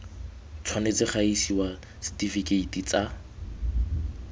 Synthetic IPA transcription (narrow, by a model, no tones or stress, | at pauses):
t͡sʰwanet͡sɪχaisiwa | sɪ̥tifikeitit͡sa